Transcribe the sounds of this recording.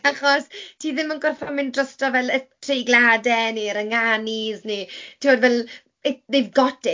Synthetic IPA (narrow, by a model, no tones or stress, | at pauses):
aχɔstʰiːðɪmənɡɔrfɔmɪndrəstɔvɛlətʰreɡladɛniɾəŋaniznitʰimoːdvɛlˠ | eðɪvɡɔdɪ